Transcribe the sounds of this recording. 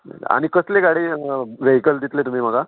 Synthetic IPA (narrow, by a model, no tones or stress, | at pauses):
mə̰l̰a̰ɽ̃ikəsleɡaɽiːʋeɦikəld̪it̪let̪um̤iːm̤əɡa